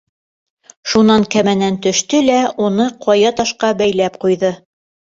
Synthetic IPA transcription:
ʃunɑŋkæmænænt̪ɵ̆ʃt̪ɵlæunɤqʰɒjɑt̪ɑʃqɑbæjlæp̚qujðɤ

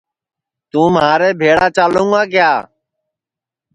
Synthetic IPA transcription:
t̪ũːmɦaːɾeːbʱeːɽaːt͡ʃaːlũːŋɡãːkjaː

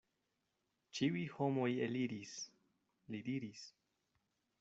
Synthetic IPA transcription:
t͡ʃiujho̞mo̞jeliɾis | lidiɾis

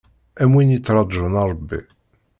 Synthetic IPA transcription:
æmwinit͡s̪ːɾˤɑd̪ˤʒənɑɾˤəbːḭ

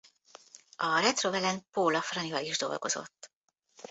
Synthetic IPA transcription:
ɒrɛt̪rovɛlɛnpoːlɒfrɒnivɒiʒd̪o̞̰lɡo̞̰zo̞̰t̪ː

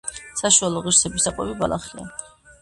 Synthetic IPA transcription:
saʃualˠɔʁiɾsɛbisaqʼwɛbibalaχia̰

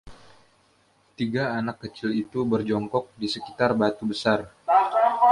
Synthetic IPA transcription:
t̪iɡaːnakːət͡ʃɪlit̪ubərd͡ʒɔŋkɔk̚disəkit̪arbat̪ubəsar

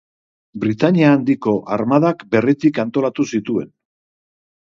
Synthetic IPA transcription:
bɾit̪aɲiaːnd̪iko̞ʔaɾmaðakbe̞rit̪ikant̪o̞lat̪usit̪ue̞̰n

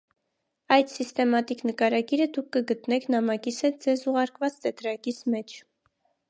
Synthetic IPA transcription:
ɑjd̪sist̪ɛmɑt̪iknəkɑɾɑɡiɾəd̪ukʰːəɡət̪nɛkʰnɑmɑkishɛt̪̚d͡zɛzuʁɑɾkvɑt͡st̪ɛt̪ɾɑkismɛt͡ʃʰ

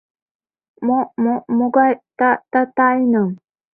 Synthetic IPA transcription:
momomuɡajtatatajnəŋ

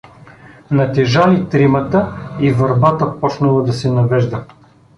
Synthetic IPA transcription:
nɐt̪ɛʒalit̪ɾimət̪əivɐɾbat̪əpɔt͡ʃnɐlˠəd̪ɐsɛnɐvɛʒd̪ə

